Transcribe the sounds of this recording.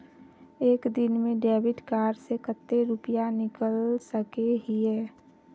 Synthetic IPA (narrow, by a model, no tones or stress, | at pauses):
eːkd̪ɪnmẽɖɛːʋɪʈkaːɾsekət̪ːeɾʊpjanɪkəlsəkeɦiɦɛː